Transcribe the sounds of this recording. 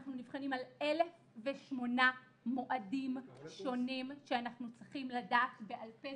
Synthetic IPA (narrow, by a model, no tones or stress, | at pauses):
χnunivχanimalʔe̞le̞f | veʃmo̞na | mo̞ʔadimʃo̞nimʃeanaχnut͡sʁiχimladaːtbe̞ʔalpe